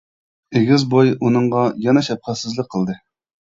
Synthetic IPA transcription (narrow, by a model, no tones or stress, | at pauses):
eɡʲɪzbojunɨɴʁɑjɑnɛʃɛp̚χæt̪sɪzlɪk̚ʲqʰəlˠd̪ɨ